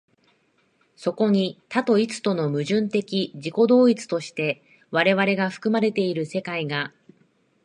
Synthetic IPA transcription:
so̞ko̞ɲ̟it̪at̪o̞it͡sɨ̥t̪o̞no̞mɯ̟ʑɨ̃nt̪e̞kʲiʑiko̞d̪o̞ːit͡sɨ̥t̪o̞ɕi̥t̪e̞ | βaɾe̞βaɾe̞ɡaɸɯ̟̥kɯ̟maɾe̞t̪e̞iɾɯ̟se̞kaiɡa

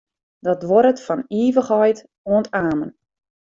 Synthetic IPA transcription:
dɔtʋɔɾətfɔniːvəχɔjt | oəntaːmən

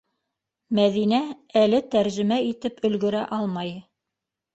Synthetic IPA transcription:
mæðinæælɘt̪æɾʒɘ̆mæit̪ɘpɵ̆lɡɵ̆ɾæʔɑlˠmɑj

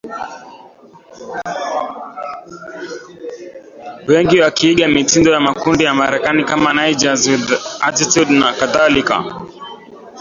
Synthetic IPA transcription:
wɛŋɡiwakiːɠamitindɔjamakundijamaɾɛkanikamanajd͡ʒazuðatitudnakaðalika̰

